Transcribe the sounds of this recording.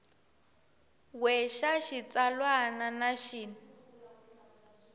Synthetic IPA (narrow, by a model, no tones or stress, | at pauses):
wɛʃaʃit͡salwananaʃiːna